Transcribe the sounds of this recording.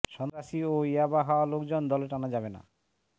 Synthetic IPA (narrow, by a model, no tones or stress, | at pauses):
ʃɔnt̪ɾaʃioiabaɦawalokd͡ʑond̪ɔleʈanad͡ʑabena̰